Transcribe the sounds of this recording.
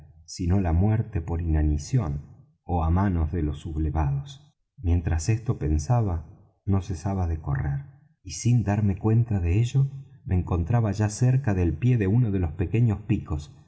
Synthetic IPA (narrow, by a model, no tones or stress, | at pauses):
sino̞lamwɛɾt̪epo̞ɾinanisjo̞n | oamanozðelo̞suβleβaðos | mje̞nt̪ɾasest̪o̞pe̞nsaβa | no̞sesaβaðeko̞̰reɾ | isind̪aɾme̞kwe̞nt̪aðeeʒo̞mʔeːŋko̞nt̪ɾaβaʒaseɾkaðelpje̞ðeunoðe̞lo̞spe̞ke̞ɲospiko̞s